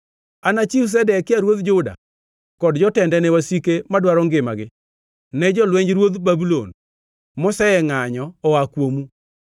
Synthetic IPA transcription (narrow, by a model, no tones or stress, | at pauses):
anat͡ʃiws̬ɛdɛkɪaɾwot̪d͡ʒʊda̰ | kɔdd͡ʒɔtɛndɛnɛwasikemadwaɾɔŋɡɪmaɡɪ | nɛd͡ʒɔlwɛɲd͡ʒɾwod̪babulo̰n | mɔsɛɛŋaɲɔɔakwomu